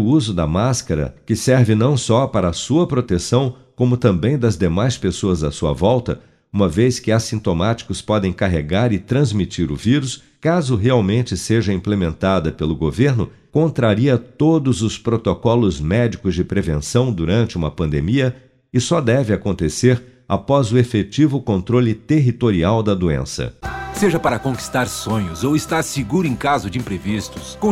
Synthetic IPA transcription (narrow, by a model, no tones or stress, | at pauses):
ʊuzʊd̪ɐmaskɐɾɐ̰kɪsɛɾvɪnɐ̃w̃sɔpaɾɐsuɐpɾot̪esɐ̃w̃ | kõmʊt̪ɐ̃mbẽj̃d̪ɐzd̪emajspesoɐzɐsuɐ̰vɔwt̪ɐ | ũmɐveskɪasĩnt̪omat͡ʃi̥kʊspɔd̪ẽj̃kaɦeɡaɾɪt̪ɾɐ̃zmit͡ʃiɾʊviɾʊs | kazʊɦeawmẽnt͡ʃɪseʒɐĩplemẽnt̪ad̪ɐpelʊɡoveɾnʊ | kõnt̪ɾaɾiɐt̪od̪ʊzʊspɾot̪okɔlʊzmɛd͡ʒikʊzd͡ʒɪpɾevẽnsɐ̃w̃d̪uɾɐ̃nt͡ʃɪũmɐpɐ̃nd̪ḛmiɐ | ɪsɔd̪ɛvɪakõnt̪eseɾ | a̰pɔzʊefet͡ʃivʊkõnt̪ɾolɪt̪eɦit̪oɾiawd̪ɐd̪uḛ̃sɐ̰seʒɐpaɾɐkõki̥st̪aɾsõɲʊzowɪst̪aɾsiɡuɾʊẽkazʊd͡ʒɪĩpɾevist̪ʊ̥skõ